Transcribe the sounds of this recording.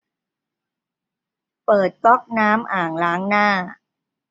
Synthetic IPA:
pɤː˨˩t̪̚kɔ˦˥k̚naː˦˥mʔaː˨˩ŋlaː˦˥ŋnaː˥˩

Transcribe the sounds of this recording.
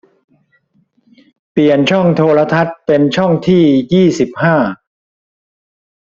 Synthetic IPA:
pli˨˩ənt͡ɕʰɔ˥˩ŋt̪ʰoː˧ɾa˧t̪ʰa˦˥t̪̚pe˧nt͡ɕʰɔ˥˩ŋt̪ʰiː˥˩jiː˥˩si˨˩p̚haː˥˩

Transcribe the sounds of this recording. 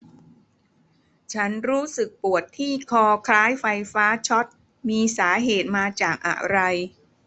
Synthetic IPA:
t͡ɕʰa˦˥nɾuː˦˥sɯ˨˩k̚pu˨˩ət̪ʰːiː˥˩kʰɔː˧kʰɾaː˦˥jfa˧jfaː˦˥t͡ɕʰɔ˦˥t̪̚ | miː˧saː˩˦ɦeː˨˩t̪̚maː˧t͡ɕaː˨˩k̚ʔa̰˨˩ɾa˧j

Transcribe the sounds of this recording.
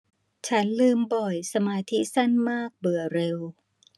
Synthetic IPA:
t͡ɕʰa˦˥nlɯː˥˩mbɔ˨˩jsa˧maː˧t̪ʰi˦˥sa˥˩nmaː˥˩k̚bɯ˨˩ɐəɾe˧w

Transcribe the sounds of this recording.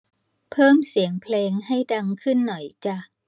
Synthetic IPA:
pʰɤː˥˩msi˨˩˦əŋpʰleː˧ŋɦa˥˩jda˧ŋkʰɯ˥˩nːɔ˨˩jt͡ɕa˧˩

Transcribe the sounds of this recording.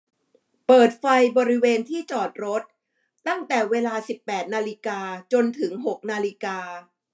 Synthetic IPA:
pɤː˨˩t̪̚fa˧jbɔː˧ɾi˦˥weː˧nt̪ʰiː˥˩t͡ɕɔː˨˩t̪̚ɾo˦˥t̪̚ː | a˥˩ŋt̪ɛː˨˩weː˧laː˧si˨˩pːɛː˨˩t̪̚naː˧li˧kaː˧t͡ɕo˧nt̪ʰɯ˩˦ŋɦo˨˩k̚naː˧li˦˥kaː˧

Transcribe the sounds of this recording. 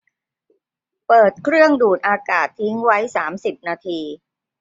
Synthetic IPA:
pɤː˨˩t̪̚kʰɾɯ˥˩əŋduː˨˩n̚ʔaː˧kaː˨˩t̪ʰːi˦˥ŋwa˦˥jsaː˩˦msi˨˩p̚naː˧t̪ʰiː˧

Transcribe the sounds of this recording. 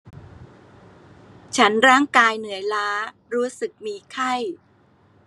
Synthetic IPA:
t͡ɕʰa˦˥nɾaː˥˩ŋkaː˧jnɯ˩˦əjlaː˦˥ | ɾuː˦˥sɯ˨˩k̚miː˧kʰa˥˩j

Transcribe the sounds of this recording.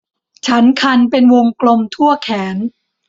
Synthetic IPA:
t͡ɕʰa˦˥nkʰa˧npe˧nwo˧ŋklo˧mt̪ʰu˥˩ɐkʰɛː˩˦n

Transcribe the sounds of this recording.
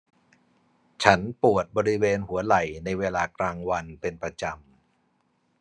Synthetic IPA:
t͡ɕʰa˦˥npu˨˩ət̪̚bɔː˧ɾi˦˥weː˧nhu˩˦ɐla˨˩jna˧jweː˧laː˧klaː˧ŋwa˧npe˧npɾa˧t͡ɕa˧m

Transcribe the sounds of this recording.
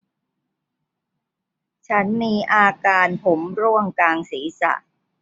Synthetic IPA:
t͡ɕʰa˦˥nmiː˧ʔaː˧kaː˧npʰo˩˦mɾu˥˩əŋkaː˧ŋsiː˩˦sa̰˨˩ʔ

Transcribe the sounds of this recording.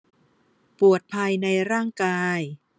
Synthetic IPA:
pu˨˩ət̪̚pʰa˧jna˧jɾaː˥˩ŋkaː˧j

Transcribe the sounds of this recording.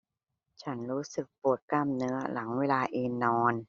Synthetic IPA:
t͡ɕʰa˦˥nɾuː˦˥sɯ˨˩k̚pu˨˩ət̪̚klaː˥˩mnɯ˦˥ɐla˩˦ŋweː˧laː˧ʔeː˧nnɔː˧n

